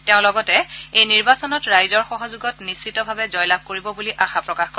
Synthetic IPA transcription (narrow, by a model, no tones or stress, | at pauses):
teʊ̃lɔɡɔtɛejniɹbasɔnɔtɹajzɔɹxɔɦɔzuɡɔtnisːitɔbʱabɛzɔjlab̚ʱkoɹibɔbuliʔaxapɹɔkaxkɔ